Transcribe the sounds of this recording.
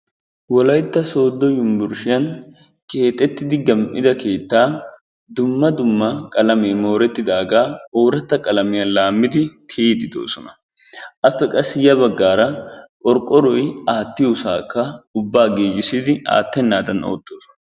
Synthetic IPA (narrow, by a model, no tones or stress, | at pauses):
wɔlɐjt̪ːɐso̞ːd̪ːɔjʊmbʊɾʃɪjɐn | ke̞ːt̪ʼːɛt̪ːɪd̪ɪɡɐmʔɪd̪ɐke̞ːt̪ːaː | d̪ʊmːɐd̪ʊmːɐkʼɐlɐmeːmo̞ːɾɛt̪ːɪd̪aːɡaːoːɾɐt̪ːɐkʼɐlɐmɪjɐnlaːmːɪd̪ɪt̪ʰed̪ɪd̪o̰ːsɔnɐ | ʔɐpːɛkʼɐsɪjɐbɐɡːaːɾɐkʼɔɾkʼːɔɾɔjaːt̪ːɪjuːsaːkːɐʊbːaːɡeːjːɪsɪd̪ɪa̰ːt̪ːɛnːaːd̪ɐno̰ːt̪ːo̞ːsɔ̥nɐ